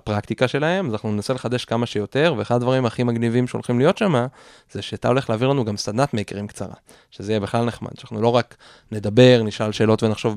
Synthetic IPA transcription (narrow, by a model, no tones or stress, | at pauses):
pʁakt̪ikaʃe̞lahe̞mazanaχnunenase̞leχad̪e̞ʃkamaʃe̞jo̞t̪e̞ʁveeχad̪advaʁimhaχimaɡnivimʃeolχimlijo̞t̪ʃama | zeʃeat̪a̰o̞le̞χleaviʁlanuɡamsad̪nat̪mekeʁimkt͡sa̰ʁa̰ | ʃezeijebiχlalneχma̰d̥̪anaχnulo̞ʁak | ne̞d̪abe̞ʁniʃalʃe̞ːlo̞t̪ve̞naχʃo̞v